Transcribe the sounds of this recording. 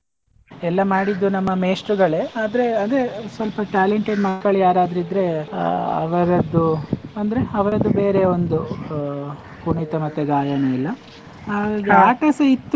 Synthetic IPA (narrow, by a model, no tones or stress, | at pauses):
ɛlːɐmaːɽid̪ːunɐmːɐmeːsʈɾuɡɐɭeːaːd̪ɐɾe̞ɐd̪esʋɐlpɐʈaːleɳʈeɖmɐkːɐɭjaːɾaːd̪ɐɾid̪ɾe̞ | ɐ̰ʋɐɾɐd̪ːuɐnd̪ɐɾeɐʋɐɾɐd̪ːube̞ːɾe̞o̞nd̪u | kuɳit̪ɐmɐt̪ːeɡaːjɐnɐilːɐ | aːɡaɡeaːʈɐsɐit̪ː